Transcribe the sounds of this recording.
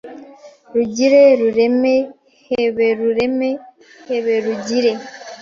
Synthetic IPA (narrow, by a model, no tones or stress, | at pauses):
ɾuɟiɾeɾuɾeme | heβeɾuɾeme | heβeɾuɟiɾe